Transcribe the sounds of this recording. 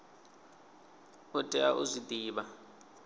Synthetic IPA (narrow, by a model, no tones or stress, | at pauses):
ʊtʼɛaʔʊzʷid̪iːβa